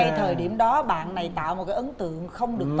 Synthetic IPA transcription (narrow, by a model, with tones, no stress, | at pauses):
a˧jt̪ʰəː˨˩jɗi˧˩əmɗɔ˨˦ɓa̰ː˧˨nːa˨˩jt̪a̰ː˧˨wmo˨˩t̚kaː˨˦ʔə˨˦nt̪ɨ̰˧˨əŋxə˧wŋ͡mɗɨ˨˩ək̚t